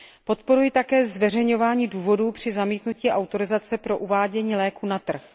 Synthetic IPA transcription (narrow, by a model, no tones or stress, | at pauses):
po̞t̪po̞ɾujɪt̪akɛːzvɛr̝ɛjɲo̞vaːɲiːduːvo̞duːpr̝̥ɪzamiːt̪nuciːʔawt̪o̞ɾɪzat͡sɛpɾo̞ʔuvaːɟɛɲiːlɛːkuːnat̪r̩x